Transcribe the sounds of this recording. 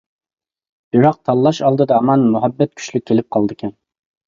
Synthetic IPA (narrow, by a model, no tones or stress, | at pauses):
bɪɾɑq̚t̪ʰɑlˠːɑʃɑlˠd̪ɨd̪ɑmɑnmuɦɛbːɛt̪̚kʲʰy̥ʃlyk̚ʲʰːelɪp̚qʰɑlˠd̪ɨkʲʰɛn